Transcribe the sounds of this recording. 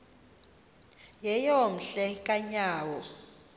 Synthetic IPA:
jɛjom̩ɬɛkʼaɲaːwɔ

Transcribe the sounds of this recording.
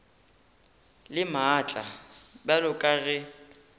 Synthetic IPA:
lɪmat͡ɬʼabɛlʊkʼaɣɛ

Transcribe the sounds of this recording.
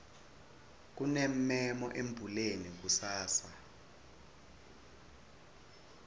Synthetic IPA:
k̬unem̩mɛmɔ̰ʔembʱulenik̬usaːsa

